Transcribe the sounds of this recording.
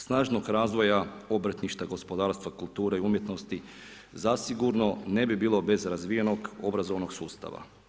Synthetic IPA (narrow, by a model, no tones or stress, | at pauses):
snaːʒnoɡɾaːzʋo̞jao̞bɾət̪niʃt̪aɡo̞spo̞d̪aːɾst̪ʋakulˠt̪uːɾeiumje̞t̪no̞st̪i | zasiɡuɾno̞ne̞bibiːlˠo̞be̞zɾazʋije̞no̞ɡo̞bɾazo̞ʋno̞ɡsuːst̪a̰ʋa̰